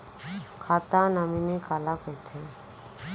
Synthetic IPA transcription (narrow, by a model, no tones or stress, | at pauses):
kʰaːt̪ãːnaminikaːlakəjt̪ʰe